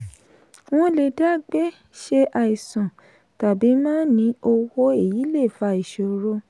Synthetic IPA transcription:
w̃ɔ̃˦le˧da˦˨ɡ͡be˦ | ʃe˦ʔa˧i˨sã˨ | ta˨bi˨˦mãː˦nĩ˧˦o˧wo˦e˦˨ji˨˦le˦˨fa˧˦i˨ʃo˨˧˦ɾo˧

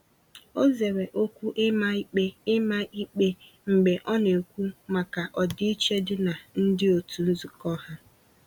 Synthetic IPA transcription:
o˦ze˨we˨ʔo˦kʷu˦ʔɪ˦ma˦k͡pe˦ɪ˦ma˦i˦k͡pe˦ | ŋ͡m̩˨ɡ͡be˨ʔɔ˦ne˨kʷu˦ma˨ka˨ʔɔ˨dɪ˦i˦t͡ʃe˦dɪ˦na˨n̩˦dɪ˦o˨tu˨n̩˦zu˨kɔ˦ɦa˦

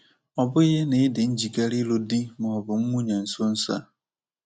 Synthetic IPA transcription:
ɔ˨bʊ˦i˦ɦe˦ne˨˦dɪ˨n̩˦d͡ʒi˨ka˦ɾi˦lo˦di˦mʊ˨ɔ˨bʊ˨ŋ̩˦mu˦ɲa˨n̩˨so˦n̩˦sa̰˦˨

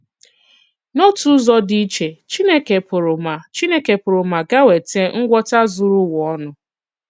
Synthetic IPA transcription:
no˦tu˦zɔ˦di˦t͡ʃe˨t͡ʃi˦ne˦ke˨pʊ˨ɾʊ˨ma˨t͡ʃi˦ne˦ke˨pʊ˨ɾʊ˨ma˨ɡa˦we˨te˦ŋ̩˦ɡʷɔ˦ta˦zu˦ɾu˦wɔ˦nʊ˦

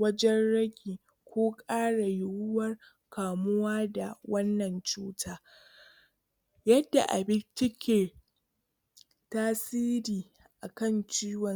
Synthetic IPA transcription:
wɐ˦d͡ʒɛ˦nɽɐ˦ɡʲiː˨ | kʷoː˦kʼaː˦ɽa˨jʊ˦˨wʊ˦wɐ˦r | kaː˨mʊ˦waː˦da˨wɐ˦nːɐ˨nt͡ʃuː˦tʰaː˦ | jɐ˦dːa̰˨ʔa̰˨bɪ˦nt͡ʃɪ˦kʲeː˨ | taː˦siː˦ɾiː˨ | ʔa˨kɐ˦˨nt͡ʃiː˦wɔ˨

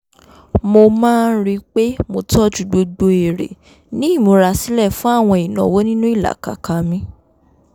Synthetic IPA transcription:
mo˧mãː˦˧n̩˦ɾi˦k͡pe˦mo˧tɔ˦d͡ʒu˨ɡ͡bo˧ɡ͡bo˧e˨ɾḛ˨ | nĩ˨˦i˦˨mo˨˧ɾa˧si˦lɛ˦˨fũ˦a˦˨w̃ɔ̃˧i˨nɔ̰̃˨wo˦nĩ˦nũ˦i˦˨la̰˨ka̰˨ka˨mĩ˧˦

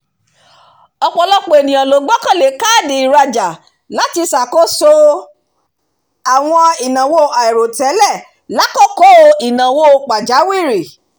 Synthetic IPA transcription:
ɔ˧k͡pɔ˧˨lɔ˦k͡po˨e˨nĩ˨j̃ã˨lo˨ɡ͡bɔ˦kã˦˨le˨ka˦˨di˨˧i˨ɾa˧d͡ʒa˨ | la˨˦ti˧sa˨ko˦so˧ | a˨w̃ɔ̃˧i˨nã˨wo˦˨a˨i˨ɾo˨tɛ˨˦lɛ˦˨ | la˨˦kɔ˦ko˦˧i˨nã˨wo˦˨k͡pa˨d͡ʒa˨˦wi˦˨ɾi˨

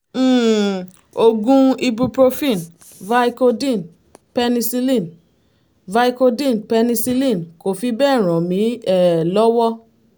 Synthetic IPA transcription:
o˧ɡũ˧i˧bu˧pɾo˧fĩ˦˨n | va˧i˧ko˧dĩ˦˨n | pɛ˧nĩ˧si˧lĩ˦˨n | va˧i˧ko˧dĩ˦˨npɛ˧nĩ˧si˧lĩ˦˨nko˨fi˧bɛ˦˨ɾ̃ɔ̃˨mĩ˨˦ɛ˦˨lɔ˦wɔ˦

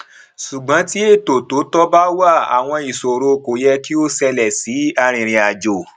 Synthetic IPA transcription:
ʃu˨ɡ͡bã˨˦ti˦e˦˨to˨to˨˦tɔ˦ba˦wa˦˨a̰˨w̃ɔ̃˧i˨so˨ɾo˧ko˨jɛ˧ki˦o˦sɛ˧lɛ˨si˨˦a˦˧ɾ̃ĩ˧˨ɾ̃ĩ˨˧a˨d͡ʒo˨

